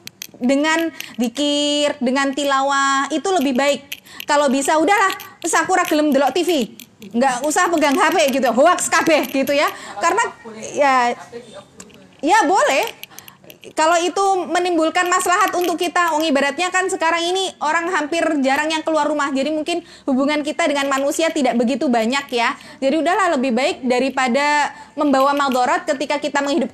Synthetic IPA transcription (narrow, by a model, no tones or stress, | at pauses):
dəŋandikɪrdəŋant̪ilawahit̪uləbɪhbaɪk̚ːalobisaudahlahsakuɾaɡələmd̪əlɔʔt̪ifiŋɡaʔusahapəɡaŋɦapeɡit̪uaɦowak̚sə̥kabɛhɡit̪ujakaɾənaja | jabolɛh | kaloit̪umənimbulkanmaslaɦat̪unt̪ʊkːit̪awaŋibadat̪̚ɲakansəkaɾaŋiniʔoɾaŋɦampɪrd͡ʒaɾaŋjaŋkəluarːumahd͡ʒadimuŋkɪn | hubuŋank̬it̪adəŋanmanusiat̪idaʔbəɡit̪ubaɲakja | d͡ʒadiudahlahləbɪhbaɪk̚daɾipadaməmbawamad̪ɔɾɔt̪̚kət̪ikakit̪aməŋɦidʊp̚